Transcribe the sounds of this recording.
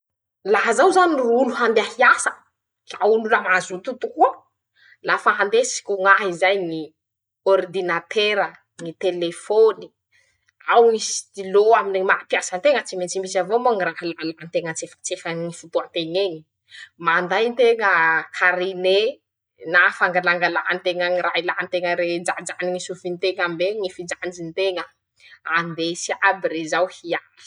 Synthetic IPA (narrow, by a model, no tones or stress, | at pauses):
laɦzawzaniruluɦand̪eahiasə | kaululəmazut̪ut̪ukuə | lafaɦand̪esi̥kʲuŋaɦizajni | ord̪inat̪eɾə | nit̪elefoni̥ | awnisd̪iloaminimapjasənt̪eŋət͡simet͡simisavomoŋiraɦəlalaɦnt̪eŋət͡sefə̥t͡sefənifut̪oant̪eŋeɲi̥ | mand̪ajnt̪eŋəkʰaɾine | nafaŋɡalaŋɡalaɦanit̪eŋəŋiɾailant̪eŋəɾed͡ʒad͡ʒaniŋisufint̪eŋambeŋifid͡ʒand͡ʒinit̪eŋə | and̪esiabiɾezawhiaɾi̥